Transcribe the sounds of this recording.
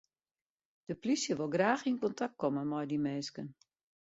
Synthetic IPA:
d̥əplisjəʋolˠɡraːxinkɔntʰak̚t̚kʰɔmənmɔjdimɛːskən

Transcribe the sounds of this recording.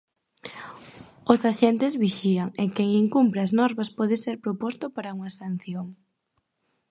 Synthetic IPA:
osaʃent̪ɪzβiʃiaŋekeŋiŋkumpɾeaznɔɾβɐspɔðɪseɾpɾopost̪ʊpaɾauŋasan̟θjoŋ

